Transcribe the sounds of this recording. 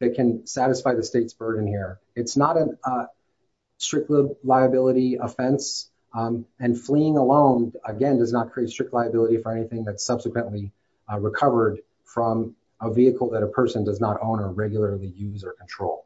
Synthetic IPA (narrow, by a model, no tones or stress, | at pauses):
ðɨt̚kʰɨ̃nsæɾɨsfaɪðɨsteɪtsb̥ɜ˞dⁿn̩hiɹ | ɨtsnəɾɨ | stɹ̥ɪk̚tˡlɪlaɪɨbɪlˠəɾiəfɛ̃ns | ɨ̃nfliɪ̃ŋəlõʊ̃nəɡɛ̃ndʌznət̚kʰɹ̥ieɪtstɹ̥ɪk̚tˡlaɪɨbɪlˠəɾifə˞ɛñiθɪ̃ŋðɨtsʌb̥sɨkʰwɨ̃nʔli | ɹɨkʰʌvə˞d | fɹʌ̃m | əviɨkl̩ˠðɨɾəpʰɜ˞sɨ̃ndʌznəɾõʊ̃nə˞ɹɛɡjl̩ˠə˞lˠijʉzə˞kʰn̩tʰɹ̥oʊlˠ